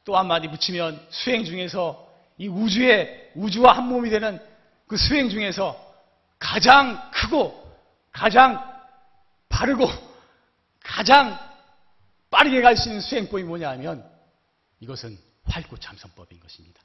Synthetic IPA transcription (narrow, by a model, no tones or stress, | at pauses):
t͈oɦanmaɾiput͡ɕʰimjʌnsʰuɦe̞ŋd͡ʑuŋe̞sʰʌ | iud͡ʑue̞ud͡ʑuwahanmomidwenɯn | kɯsʰuɦe̞ŋd͡ʑuŋe̞sʰʌ | kad͡ʑaŋkʰɯɡo | kad͡ʑaŋ | paɾɯɡo | kad͡ʑaŋ | p͈aɾɯɡe̞ɡaɭs͈uinːɯnsʰuɦe̞ŋp͈oimoɲaɦmjʌn | iɡʌsʰɯn | ɸwaɭk͈ot͡ɕʰamsʰʌŋp͈ʌbinɡʌɕʰimɲid̥a